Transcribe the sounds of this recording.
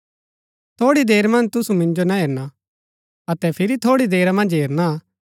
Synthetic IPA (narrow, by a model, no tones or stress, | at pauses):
t̪ʰoːɽid̪eːɾmɐ̃nd͡ʒt̪ʊsumɪ̃nd͡ʒonaɦeːɾna | ɐt̪ɛpʰɪɾit̪ʰoːɽid̪eːɾamɐ̃nd͡ʒɦeːɾna